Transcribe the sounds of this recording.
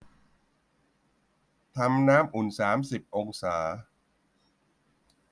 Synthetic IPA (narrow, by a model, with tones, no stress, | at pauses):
t̪ʰa˧mnaː˦˥mʔu˨˩nsaː˩˦msi˨˩p̚ʔo˧ŋsaː˩˦